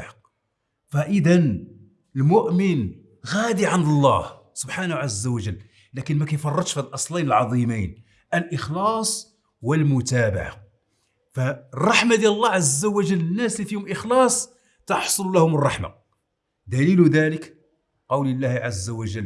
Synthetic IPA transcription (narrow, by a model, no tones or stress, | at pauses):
fæʔəd̪ən | əlmʊʔmən | ɣæd̪iʕand̪əlˤːɑ̰h | sʊbħanhʕazːæwæʒəlː | ækənmækæjfɑrˤːɑd̪ʃfilʔɑsˤlɑjnəlʕɑd̪ˤimijn | ʔəlʔəxlɑsˤ | wəlmʊt̪æba̰ʕa̰ | færˤːɑħmad̪jæləlˤːɑʕazːæwæʒəlːənːæslifihʊmʔəxlɑsˤ | t̪ɑħsˤollæhʊmrˤːɑħma̰ | d̪ælilʊd̪ælək | qɑwləlːæhʕazːæwæʒəl